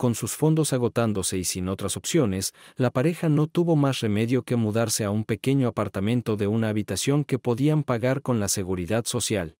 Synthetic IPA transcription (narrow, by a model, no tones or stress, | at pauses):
ko̞nsusfo̞nd̪o̞saɣ̞o̞t̪and̪o̞se̞isino̞t̪ɾaso̞psjo̞ne̞slapaɾe̞xano̞t̪uβo̞masre̞me̞ðjo̞ke̞muðaɾse̞aumpe̞ke̞ɲo̞apaɾt̪amẽ̞nt̪o̞ðe̞unaːβit̪asjo̞ŋke̞po̞ðiampaɣaɾko̞nlase̞ɣuɾiðaðso̞sjal